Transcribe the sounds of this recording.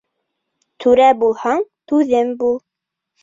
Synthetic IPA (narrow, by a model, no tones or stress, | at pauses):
t̪ʰʉɾæbulˠhɑɴt̪ʉðɘmbulˠ